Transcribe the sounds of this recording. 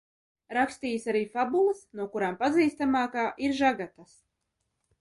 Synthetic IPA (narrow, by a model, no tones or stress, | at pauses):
ɾakst̪iːsaɾiːfabulˠɨsnuɔkuɾaːmpaziːst̪amaːkaːʔiɾʒaɡat̪as